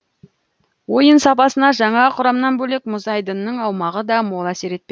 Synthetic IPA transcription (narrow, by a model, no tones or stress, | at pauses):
wo̞jənsɑpɑsənɑʒɑɴɑqʰʊɾɑmnɑnbɵlekmʊzɑjd̪ənːəɴɑwmɑʁəd̪ɑmo̞lˠæse̞ɾe̞t̪pe